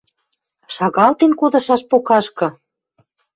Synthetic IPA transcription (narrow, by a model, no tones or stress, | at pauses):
ʃɑɣɑlt̪enkod̪ɤ̆ʃɑʃpokɑʃkɤ̆